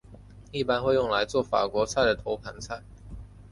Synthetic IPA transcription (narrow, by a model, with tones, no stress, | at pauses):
i˥˩pa˥nxwe˥˧ɪjʊ˥˩ŋla˧˥ɪt͡swɔ˥˩fa̰˨˩kwɔ˧˥t͡sʰa˥˩ɪd̪ə˩t̪ʰo˧˥ʊpʰa˧˥nt͡sʰa˥˩ɪ